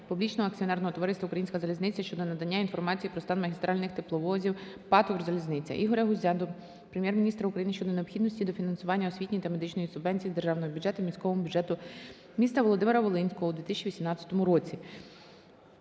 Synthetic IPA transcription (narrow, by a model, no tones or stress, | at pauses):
publʲit͡ʃnɔɦɔɐk̚t͡sʲiɔnɛrnɔɦɔt̪ɔʋɔɾɪst̪ʲɐʊkɾɐjinsʲkɐzɐlʲiznɪt͡sʲɐʃt͡ʃɔd̪ɔnɐd̪ɐnʲːainfɔrmɑt͡sʲijipɾɔst̪ɑnmɐɦʲist̪ɾʔɑlʲnɪxt̪ɪplˠɔʋɔzʲiw | pɑt̪ʊrzɐlʲiznɪt͡sʲɐ̰ʔiɦɔɾʲɐɦʊzʲad̪ɔ | pɾemʲjɛrmʲnʲist̪ɾɐukɾɐjinɪʃt͡ʃɔd̪ɔneɔpxʲid̪nɔsʲtʲid̪ɔfʲinɐnsʊʋɑnʲːɐɔsʲʋʲitʲnʲit̪ɐme̞d̪ɪt͡ʃnɔjisʊbɛnʲt͡sʲijd̪erʒɑwnɔɦɔbʲʊdd͡ʒɛt̪ʊmʲisʲkɔʋɔmʊbʲʊdd͡ʒɛt̪ʊ | mʲist̪ɐʋɔlˠɔd̪ɪmeɾɐʋɔlˠɪnʲsʲkɔɦɔud̪ʋʲit̪ɪsʲt͡ʃʲiʋʲisʲimnɑt͡sʲːɐ̥t̪ɔmʊɾɔt͡sʲi